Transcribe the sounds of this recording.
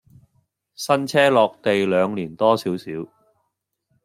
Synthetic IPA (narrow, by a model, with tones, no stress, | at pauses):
sɐ˥nt͡sʰɛː˥lɔː˨˧k̚t̪e˨jlœː˨˧ŋliː˨˩nt̪ɔː˥siː˨˥wsiː˨˥w